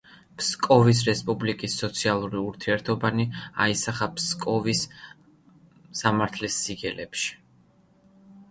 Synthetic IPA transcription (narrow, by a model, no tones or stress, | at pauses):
pskʼɔvis̬ɾɛspʼublikʼisːɔt̪sʰialˠuɾiuɾt̪ʰiɛɾt̪ʰɔbania̰isaχapʰskʼɔvis | amaɾt̪ʰlisːiɡɛlɛpʃi̥